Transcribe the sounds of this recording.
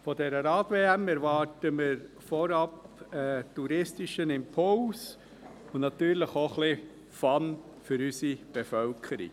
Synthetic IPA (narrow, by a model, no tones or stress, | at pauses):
fɔdɛɾəɾɑːtveːæmɛɾvɑːtəmɪɾ | fɔɾɑpɛtuɾɪstɪʃənɪmpʰʊls | ʊnɑtyːɾləχoχlɪ | fɑn | fʏɾysib̥ɛfœlkʰəɾḭk